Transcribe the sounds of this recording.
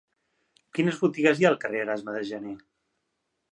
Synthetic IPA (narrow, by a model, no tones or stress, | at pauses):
kinəzβut̪iɣəzjaəlˠkəreəɾazməðəʒəne